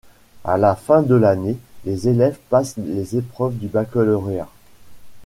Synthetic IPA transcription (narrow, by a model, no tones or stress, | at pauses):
a̰lafɛ̃d̪əlanelezelɛvpaslezepχœvd̪ybakɔlɔʁea̰